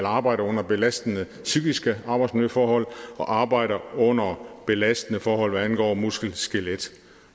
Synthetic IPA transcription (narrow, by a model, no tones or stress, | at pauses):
lɑ̈ːb̥ɑ̈ɪɾɐɔ̽n̰ɐb̥e̝læsd̥ənə | syɡ̥isɡ̥əɑ̈ːb̥ɑ̈ɪsmnjøfɒːhɒ̽l̰ɒ̽ʔɑ̈ːb̥ɑ̈ɪ̰ɾɐɔ̽n̰ɐb̥e̝læsd̥ən̩əfɒːhɒ̽l̰ʋæænɡ̥ɒ̰ːmusɡ̥l̩sɡ̥eled̥